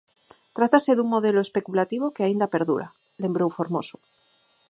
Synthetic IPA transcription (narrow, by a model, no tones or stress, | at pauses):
t̪ɾat̪aseðuŋmoð̞eloespe̞kulat̪iβ̞okeaind̪ape̞ɾðṵɾa̰ | le̞mbɾowfoɾmoso